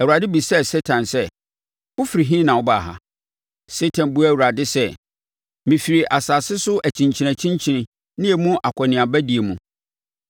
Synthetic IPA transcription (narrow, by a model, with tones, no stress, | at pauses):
ɛ˨wu˨ɾa˨dɪ˦bi˨sɛ˦sɛ˦tʰã˨nsɛ˦ | wʊ˦fi˨ɾi˨ɦĩ˦nã˨wʊ˦ba˨ɦa̰˦ | se˦tʰã˨nbu˦˨wu˨ɾa˨dɪ˦sɛ˦˨ | mĩ˨fi˨ɾi˨ʔa˨saː˨sɪ˦sʊ˦ʔæ˨t͡ɕʰĩ˨ɲt͡ɕʰi˨næ̃˨t͡ɕʰĩ˦ɲt͡ɕʰi˨nɪ̃˨ | nɪ̃˦e˨mũ˦ʔa˨kʰʷɔ˨nɪ̃˨a˨bæ˦di˨e˨mũ˨